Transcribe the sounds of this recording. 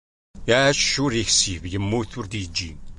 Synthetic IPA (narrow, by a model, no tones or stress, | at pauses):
ææʃʃuɾiçsivjəmːuθʊɾd̪jəd͡ʒːi